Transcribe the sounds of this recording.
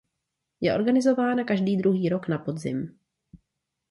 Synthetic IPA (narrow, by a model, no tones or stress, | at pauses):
jɛʔo̞ɾɡanɪzo̞vaːnakaʒdiːd̪ɾuɦiːɾo̞knapo̞dzɪ̰m